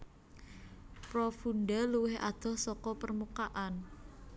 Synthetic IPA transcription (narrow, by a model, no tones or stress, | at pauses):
pɾɔfunɖaluwɪhʔa̰d̪̥ɔ̤hsɔkɔpərmukaʔan